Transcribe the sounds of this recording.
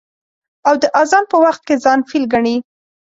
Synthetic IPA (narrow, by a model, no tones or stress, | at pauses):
awd̪əʔazɑnpəwaxt̪̚kezɑnfilɡaɳi